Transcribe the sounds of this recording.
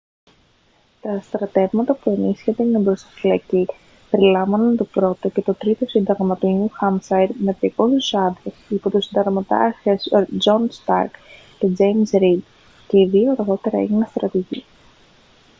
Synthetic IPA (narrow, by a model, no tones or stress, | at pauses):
t̪ɐst̪ɾɐt̪e̞vmɐt̪ɐpue̞nisçed̪enebɾo̞sɐ̥filɐci | pe̞ɾilɐvɐnɐnt̪o̞pɾo̞t̪o̞ce̞t̪o̞t̪ɾit̪o̞sind̪ɐɣmɐt̪oɲuxɐmsɐjd̪mep̪eiko̞suzɐd̪osipot̪usind̪ɐɣmɐt̪ɐ̰çesd͡ʒo̞nst̪ɐ̰ɾk | ce̞d͡zejmsɾid̪ | ce̞iðioɐɾɣo̞t̪e̞ɾɐḛʝinest̪ɾɐt̪iʝḭ